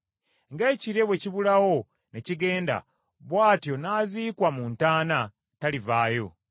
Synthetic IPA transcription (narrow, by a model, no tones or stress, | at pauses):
ŋɡe̞ːciɾeβwe̞ciβulawo̞ | ne̞ciɡe̞ːnda̰ | βwaːtjo̞naːziːkwamuntaːna | talivaːjo̞̰